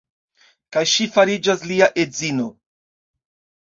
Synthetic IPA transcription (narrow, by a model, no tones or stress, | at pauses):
kajʃifaɾid͡ʒasliaʔe̞zino̞